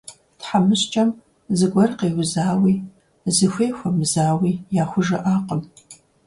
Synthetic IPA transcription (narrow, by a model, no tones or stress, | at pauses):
tħamɨɕt͡ʃʼɐm | zɨɡʷɐrqeːwzaːwiː | zɨxʷeːxʷɐmɨzaːwiːjaːxʷʊʒɐʔaːqʼəm